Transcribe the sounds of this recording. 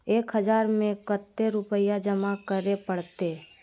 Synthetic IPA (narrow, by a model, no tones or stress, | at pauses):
eːkɦəd͡ʒaːɾmẽkət̪ːeɾʊpəjad͡ʒəmakəɾepəɽt̪e